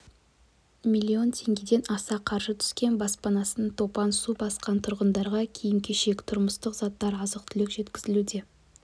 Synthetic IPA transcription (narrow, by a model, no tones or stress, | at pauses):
mʲilʲːio̞nt̪ʲʰe̞ŋɡʲe̞d̪e̞nɑsɑqʰɑɾʒət̪ʰʏ̥skʲe̞nbɑspɑnɑsənt̪ʰo̞pɑnsubɑsqɑnt̪ʰʊɾʁənd̪ɑɾʁɑkʲʰijɪmkʲeʃe̞kʲt̪ʰʊɾməst̪əqz̥ɑt̪ːɑɾɑzəq̚t̪ʰʏlɪkʒet̪kʲɪzɪlud̪e̞